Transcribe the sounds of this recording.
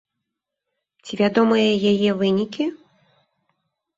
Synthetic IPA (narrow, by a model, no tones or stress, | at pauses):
t͡sʲivʲad̪ɔmɨjɐjajɛvɨnʲikʲi